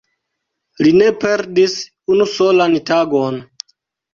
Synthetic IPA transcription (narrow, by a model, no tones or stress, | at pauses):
line̞pe̞ɾdis | unusolantaɡon